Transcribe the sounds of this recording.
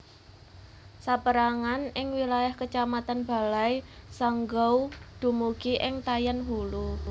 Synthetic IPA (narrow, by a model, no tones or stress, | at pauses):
sapəɾaŋanɪŋwilajahkət͡ʃamat̪anb̥a̤lajsaŋɡɔwd̪̥ṳmuɡiʔɪŋt̪ajanɦulu